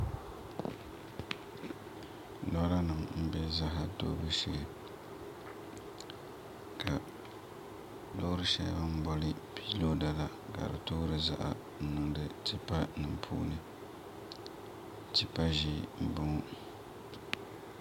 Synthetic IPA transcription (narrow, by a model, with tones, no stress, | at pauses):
lɔ˦la˦nɨ˨mm̩˦bɛ˦za˦ɦa˦to̰˦bɨ˦ʃi˦˨l | kʰa˨ | lo˦ɾɨ˦ʃɛ̰˨jba˦m̩˦bɔ˦lɨ˦pʰiː˦lo˦da˨la˨ | ɡa̰˨ɾɨ̰˨toː˦ɾɨ˦za̰˦ʔa̰˨ | n̩˦˨nɨ˨ŋdɨ˨ti˦pa˦nɨ˨mpʰṵː˦nɨ˦ | ti˦pa˦ʒi˦˨m̩˦bʊ˦ŋʊ˦